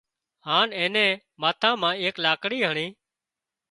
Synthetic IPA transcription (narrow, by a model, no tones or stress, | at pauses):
haːnẽːnẽː | maːt̪ʰãːmãːeːklaːkɽiːɦəɳiː